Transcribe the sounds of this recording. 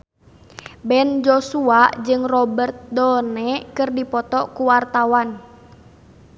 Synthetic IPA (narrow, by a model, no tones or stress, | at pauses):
bɛnd͡ʒɔsuad͡ʒɨŋrɔbərt̪̚dɔnɛkɨrdipɔt̪ɔkuwart̪awan